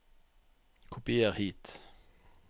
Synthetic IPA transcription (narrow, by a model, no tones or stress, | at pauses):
kʰʊpɪeʁhiːt̪